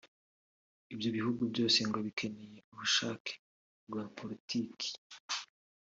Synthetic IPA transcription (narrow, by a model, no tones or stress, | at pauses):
ibjo̞βihuɡubɟo̞ːse̞ŋɡoβikʰe̞neje̞uβuʃaːke̥ | ɡwaːpʰoɾitʰiːkʰi̥